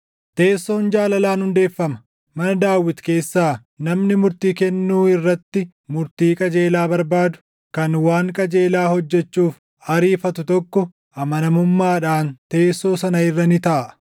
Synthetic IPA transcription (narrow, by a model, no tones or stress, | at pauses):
t̪e̞ːsːo̞ːnd͡ʒaːlɐlaːnhʊnd̪e̞ːfːɐmɐ̥ | mɐnɐd̪aːwɪt̪ke̞ːsːaː | nɐmnɪmʊɾt̪iːkɛnːuːɪrːɐt̪ːɪ | mʊɾt̪iːkʼɐd͡ʒe̞ːlaːbɐɾbaːd̪ʊ̥ | kɐnwaːŋkʼɐd͡ʒeːlaːhɔd͡ʒːɛt͡ʃːuːf | ɐɾiːfɐt̪ʊt̪ɔkːɔ | ɐmɐnɐmʊmːaːᶑaːnt̪e̞ːsːo̞ːsɐnɐɪrːɐnɪt̪ɐʔɐʔ